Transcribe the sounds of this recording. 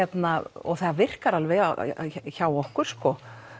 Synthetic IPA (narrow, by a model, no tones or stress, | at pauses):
ɛt̪naɔ̰ɣθɛðavɪr̥kaɾalvɛa̰çaːwɔhkʏɾ̥skɔ